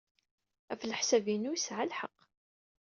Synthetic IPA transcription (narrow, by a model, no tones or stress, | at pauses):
æfləħsævinujəsʕalħəqː